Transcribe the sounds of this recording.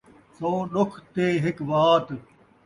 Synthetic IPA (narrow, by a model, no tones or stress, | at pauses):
sõːɗʊkʰt̪eːɦɪkʋaːt̪